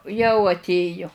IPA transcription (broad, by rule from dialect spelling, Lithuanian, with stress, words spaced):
jɛʊ ɐtʲˈeːjʊ